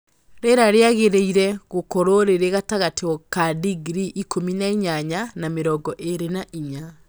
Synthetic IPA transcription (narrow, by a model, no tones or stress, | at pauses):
ɾeɾaɾeaɣeɾeiɾɛɣokɔɾoɾeɾeɣataɣatʰeɔkadiɡɾiʔikominaiɲaɲanameɾɔɡɔʔeɾenaʔiɲa